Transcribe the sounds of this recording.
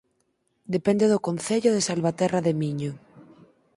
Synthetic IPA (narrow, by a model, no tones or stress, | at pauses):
d̪epend̪eðokonθeʎoðesalβat̪ɛraðemiɲo